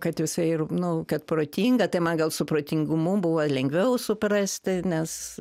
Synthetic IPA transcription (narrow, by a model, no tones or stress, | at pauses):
kɐt̪jɪsɐɪɪrnʊkɐt̪proːt̪ʲiːŋɡɐt̪ɐɪmɐnɡɐlˠsʊpɾoːt̪ʲiŋɡʊmʊbʊʋolʲɛŋɡʲʋʲɛʊsʊprɐsʲt̪ʲɪnʲɛs